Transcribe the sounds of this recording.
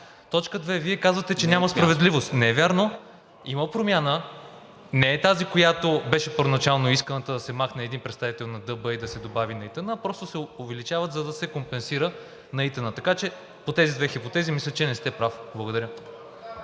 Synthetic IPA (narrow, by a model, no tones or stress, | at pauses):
t̪ɔt͡ʃkəd̪vɛviɛkazvɐt̪ɛt͡ʃɛnʲamɐspɾɐvɛd̪livost̪nɛvʲjaɾno | iməpɾomʲjanə | nɛːt̪azikojat̪obɛʃɛpəɾvonɐt͡ʃalˠnoiskənət̪əd̪ɐsɛmaxnɛɛd̪inpɾɛt̪st̪avit̪ɛlˠnɐd̪ɤbəid̪ɐsɛd̪obavinɐit̪ənəpɾɔst̪osɛovɛlit͡ʃavət̪zɐd̪ɐsɛkompɛnsiɾə | nɐit̪ənət̪ɐkat͡ʃɛ | pot̪ɛzid̪vɛxipot̪ɛzimislʲət͡ʃɛnɛst̪ɛpɾafblˠɐɡod̪ɐɾʲjə